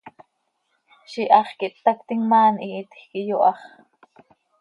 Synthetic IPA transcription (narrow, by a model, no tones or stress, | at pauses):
ʃiʔɑχkiʔt̪ːɑkt̪iŋmɑːnʔiːt̪xkijoʔɑχ